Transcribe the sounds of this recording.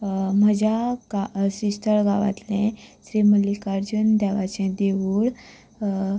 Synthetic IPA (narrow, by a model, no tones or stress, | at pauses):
m̤əd͡ʑaasɾisʈʰəɾɡaʋa̰t̪lɛ̃ɕɾiməlikaɾd͡ʑund̪ɛʋat͡ɕɛ̃d̪eʋuːɽ